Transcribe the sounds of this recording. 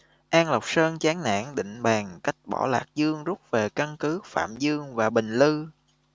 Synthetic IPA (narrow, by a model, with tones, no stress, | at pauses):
ʔaː˧ŋlə˨˩wk͡p̚səː˧nt͡ɕaː˨˦ŋna̰ː˧˥ŋɗḭ̈˧˨ŋ̟ɓaː˨˩ŋka˦˥jk̟̚ɓɔ̰˧˩la̰ː˨˩k̚zɨ˧əŋzu˦˥k͡p̚ve˨˩ka˧nkɨ˨˦fa̰ː˧˨mzɨ˧əŋvaː˨˩ɓï˨˩ŋ̟lɨ˧